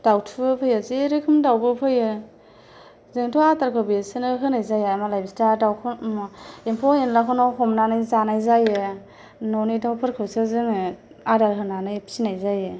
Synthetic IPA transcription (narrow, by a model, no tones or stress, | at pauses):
d̥awtʰɯbɯpʰɯjɯzeɾɯkʰɯmdawbɯpʰɯjɯ | zɯŋtʰɔataɾkʰɯbisɯnɯɦɯnajzajaamalajbistadawkʰɯ | empʰɔenlakʰɯnɔɦɔmnanɯjzanajzajɯ | nɔnidawpʰɯɾkʰɯwsɯzɯŋ | adaɾɦɯnanɯjpʰi̥sinajzajɯ